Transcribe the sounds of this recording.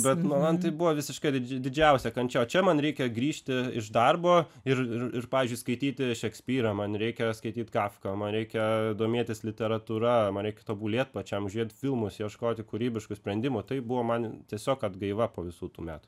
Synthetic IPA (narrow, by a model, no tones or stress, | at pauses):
bʲɛt̪nʊmɐnt̪ɐɪbʊʋɐːʋʲɪsʲɪʃkɐɪd̪ʲɪd̪ʲɪd͡ʒʲɛʊsʲɛkɐnt͡ʃʲɛoːt͡ʃʲɛmɐnɾʲɛɪkʲɛɡɾʲiːʃʲt̪ʲɪɪʃd̪ɐrboː | ɪrɪrɪrpɑːʋʲizʲd͡ʒʲʊɪskɐɪt̪ʲiːt̪ʲɪʃʲɛksʲpʲiːɾɐmɐnɾʲɛɪkʲɛskɐɪt̪ʲiːt̪ɡɑːfkɐmɐnɾʲɛɪkʲɛd̪oːmʲeɛt̪ʲɪslʲɪt̪ʲɛɾɐt̪uːɾɐmɐnɾʲɛɪkʲɛt̪oːbulʲiɛt̪̚pɐt͡ʃʲɛmʊʒʲiɛt̪ʲfʲɪlˠmʊsjiɛʃkoːt̪ʲɪkuɾʲiːbʲɪʃkʊsʲpʲɾʲɛnʲd̪ʲɪmʊt̪ɐɪbʊʋoːmɐnt̪ʲiɛsʲoːkɐd̪ɡɐɪʋɐpoːʋʲɪsuːt̪uːmʲæ̰ːt̪ʊ̥